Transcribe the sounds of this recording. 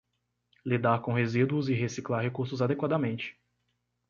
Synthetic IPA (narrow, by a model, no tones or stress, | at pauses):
lid̪aɾkõɦezid̪uʊzɪɦesiklaɾɦekuɾsʊzad̪ekwad̪amẽnt͡ʃɪ̥